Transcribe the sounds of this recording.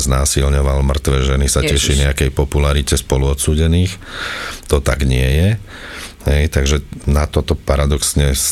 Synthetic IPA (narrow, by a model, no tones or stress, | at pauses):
znaːsilɲɔʋalmr̩t̪ʋɛːʒɛnisacɛʃiɲɛakɛjpɔpulaɾicɛspɔluɔt̪suːɟɛniːx | t̪ɔt̪aɡɲɪɛjɛ | ɦɛjt̪aɡʒɛnat̪ɔt̪ɔpaɾad̪ɔksɲɛs